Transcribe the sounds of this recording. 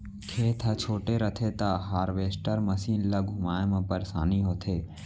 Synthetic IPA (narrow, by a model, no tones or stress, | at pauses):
kʰeːt̪ʰət͡ʃʰoːʈeɾət̪ʰet̪aɦaːɾʋeːsʈəɾmɐsiːnlɐɡʱʊmaːmãpəɾsaːniɦoːt̪ʰeː